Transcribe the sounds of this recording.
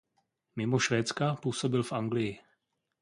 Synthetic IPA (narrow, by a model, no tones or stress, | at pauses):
mɪmo̞ʃvɛːt͡skapuːso̞bɪlfʔaŋɡlɪjɪ